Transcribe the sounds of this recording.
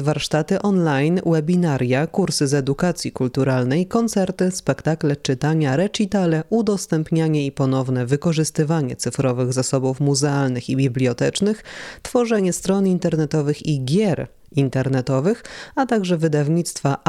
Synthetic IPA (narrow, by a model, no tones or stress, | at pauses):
vaɾʂt̪at̪ɘʔɔnlajnwɛbʲinaɾjakuɾsɘzɛd̪ukat̪sʲjikult̪uɾalnɛjkɔnt̪sɛɾt̪ɘspɛkt̪aklɛt͡ʂɘt̪aɲaɾɛt͡ʂit̪alɛud̪ɔst̪ɛmpɲaɲɛipɔnɔvn̪ɛvɘkɔʐɘst̪ɘvaɲɛ̰t̪sɘfɾɔvɘɣzasɔbufmuzɛalnɘxibʲiblʲiɔt̪ɛt͡ʂnɘxt̪fɔʐɛɲɛst̪ɾɔnint̪ɛɾnɛt̪ɔvɘxiɡʲjɛɾ | int̪ɛɾnɛt̪ɔvɘxat̪aɡʐɛvɘd̪avɲit̪st̪fa